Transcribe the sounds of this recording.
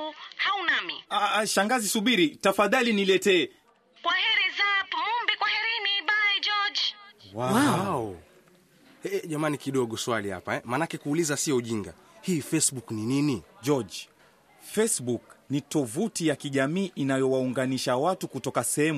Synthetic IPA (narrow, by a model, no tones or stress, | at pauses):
haunamiaʃaŋɡazisuɓiɾitafaðalinilɛtɛː | kwahɛɾizatumumbikwahɛɾiniɓaɛd͡ʒɔd͡ʒwawaɔ | ɛʄamanikiɗɔɠɔswaliha̰paɛmanakɛkuːlizasiɔuʄiŋɡa̰ | hiːfɛsɓuknininid͡ʒɔd͡ʒ | fɛsɓuknitɔvutijakiʄamiːʔinajɔwauŋɡaniʃawatukutɔkasɛhɛm